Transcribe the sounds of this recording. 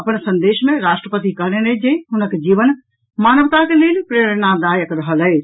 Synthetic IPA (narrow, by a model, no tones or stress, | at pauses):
ɐpəñsɐ̃nd̪eːʃmẽɾaːʃʈɾəpət̪ikɐɦɽ̃ened͡ʒeiɦʊnə̆kʰd͡ʑiːʋən | maːnəʋt̪akeleːlpɾeːɾənad̪aːjəkɾɐɦələeː